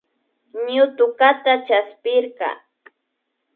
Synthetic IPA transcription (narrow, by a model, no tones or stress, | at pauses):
ɲʊt̪ʊkat̪at͡ʃaspɪɾkɑ̰